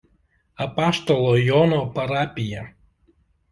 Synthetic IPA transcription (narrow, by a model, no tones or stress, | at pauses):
ɐpaʃt̪ɔlˠɔjɔnopɐɾaːpʲɪjɛ